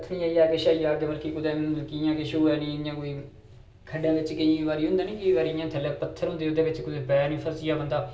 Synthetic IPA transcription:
t̪ʰːnĩːaːiːaːkeːʃaːijaːɡeːbəlkikʊd̪ẽːlkijãːkɪʃuːɛːnĩːjãːkoːiː | kʰəɖaːʋɪt͡ʃkɪ̃ʋaːɾiːɦʊ̃nd̪aːnĩːkɪiːʋaːɾijãːt̪ʰəlːɛ̃ːpət̪ʰːəɾɦʊ̃nd̪eːd̪eːʋɪt͡ʃkʊd̪eːpɛːnĩːpʰəsɪjaːbənd̪aː

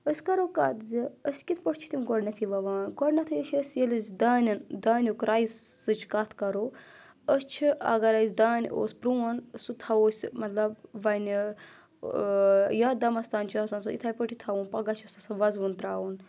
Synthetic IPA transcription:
əsʲkɐɾoːkɐt̪ziəsʲkit̪ʰpəʈʲt͡ʃʰi̥t̪imɡɔɽnɐt̪ʰiʋɐʋaːnɡɔɽnɐt̪ʰɨjət͡ʃʰəsjelʲɐzʲd̪aːnʲɐnd̪aːnʲukɾaːjisɨt͡ʃʰkat̪ʰkɐɾoː | əst͡ʃʰiʔɐ̰ɡɐɾɐzʲd̪aːno̰ːsʲpɾuːɐnsut̪ʰɐoːsʲmɐt̪lɐb̚ʋɐn | jaːd̪ɐmɐst̪aːnʲt͡ʃʰaːsɐːnsuḭt̪ʰaːjpəʈʰit̪ʰɐʋunpɐɡat͡ʃʰɐsɐsʋɐzʋunt̪ɾaːʋun

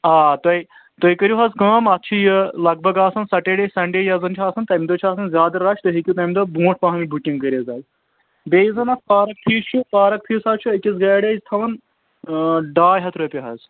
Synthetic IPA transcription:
aːt̪ɐj | t̪ojkəɾʲjuɦɐzkɐːmɐt̪t͡ʃʰijəlɐɡ̚bʱɐɡaːsɐnsɐʈeɖesɐɳɖejɐzɐnt͡ʃʰaːsɐnt̪ɐmʲid̪ot͡ʃʰaːsʰɐnzʲaːd̪ɐɾɐt͡ʃʰʲt̪ɐɦikʲut̪ɐmʲd̪obũːʈ̚ʰpaɦɐmibʱuʈʲːiŋkəɾʲɐzɐːz | beːjizɐnaspaːɾɐk̚pʰiːst͡ʃʰupaːɾɐk̚pʰiːsaːt͡ʃʰuɐkʲizɡaːɖeːzt̪ʰɐʋɐn | ɖaːjɦɐt̪ʰɾoːpʲiɦɐz

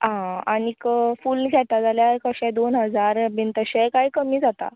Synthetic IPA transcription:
ɦãa̰nikəfulɡʱɛt̪ad͡zaljaɾkəɕɛ̃d̪onɦəd͡zaɾbʱint̪əɕɛkajkəmiːd͡zat̪a̰

